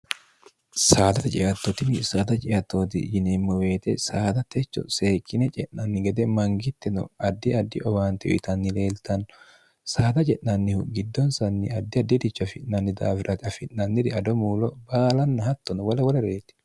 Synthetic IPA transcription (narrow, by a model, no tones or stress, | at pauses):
saːd̪ɐt̪ɐt͡ʃʼɪʔɐt̪ːɔt̪ɪnɪsaːt̪ɐt͡ʃʼɪʔɐt̪ːoːt̪̬ɪ̰jɪnemːɔwe̞ːt̪ɛsaːd̪ɐt̪ɛt͡ʃːɔ̰seːkːɪnɛt͡ʃʼɛʔnɐnːɪɡɛd̪ɛmɐŋɡɪt̪ːɛnɔ̰ɐd̪ːɪɐd̪ːɪʔɔbaːnt̪ɪɔ̰ʔɪ̰t̪ɐnːɪle̞ːlt̪ɐnːɔ | saːd̪ɐt͡ʃʼɛʔnɐnːɪhʊɡɪd̪ːɔnsɐnːɪ̰ɐd̪ːɪɐd̪ːɪd̪ɪt͡ʃːɐfɪʔnɐnːɪd̪aːfɪɾʔɐt̪ɪɐfɪʔnɐnːɪɾɪɐd̪ɔmuːlɔbaːlɐnːɐhɐt̪ːɔnɔwɐlɐwɐlɐɾeːt̪ːɪ̥